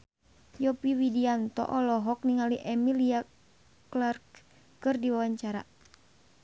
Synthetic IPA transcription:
jɔpiwidiant̪ɔ̰ʔɔlɔɦɔk̚niŋaliʔɛmilia | klarkː | ɨrdiwawaɲt͡ʃaɾa̰

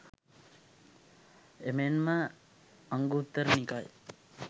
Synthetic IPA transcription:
emenmə | aŋɡut̪ːəɾənikaj

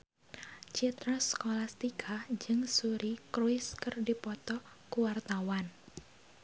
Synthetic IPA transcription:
t͡ʃit̪ɾɔskolast̪ikʰad͡ʒɨŋsuɾikɾuɪskɨrdipɔt̪ɔ | kuwart̪awan

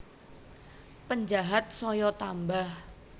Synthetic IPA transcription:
pəɲd͡ʒaɦat̪̚sɔjɔt̪ambah

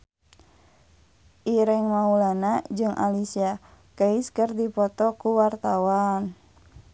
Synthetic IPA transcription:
ʔiɾɛŋmaulanad͡ʒɨŋʔa̰lisia | kəiskərdipɔt̪ɔkuwart̪awan

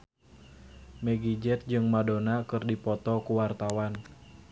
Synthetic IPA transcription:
mɛɡid͡ʒɛt̪̚d͡ʒɨŋmadonakɨrdipɔt̪ɔkuwart̪awan

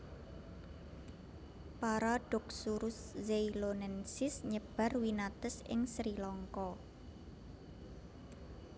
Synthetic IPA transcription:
paɾaɖ̥ʊ̤k̚suɾʊszeilonɛnsɪsɲəb̥a̤rwinat̪əsɪ̰ŋsɾilɔŋkɔ

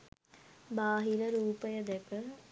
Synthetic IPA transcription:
baːɦiləɾuːpəjəd̪ɛkə

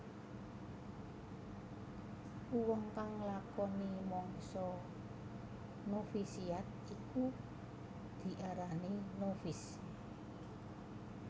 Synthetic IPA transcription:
uwəŋkaŋlakɔnimɔŋsɔ | nofisiat̪̚iku | d̪̥i̤ʔaɾaninofis

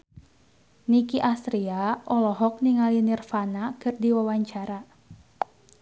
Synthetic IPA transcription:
nikiʔast̪ɾiaɔlɔɦɔk̚niŋalinirfanakɨrdiwawaɲt͡ʃaɾa

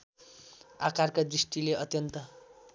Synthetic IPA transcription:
akarkad̪risʈileʔʌt̪jʌnt̪ʌ

